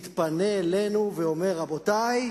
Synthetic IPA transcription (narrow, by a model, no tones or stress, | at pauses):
t̪pane̞ːlenuveo̞me̞ʁabo̞t̪aj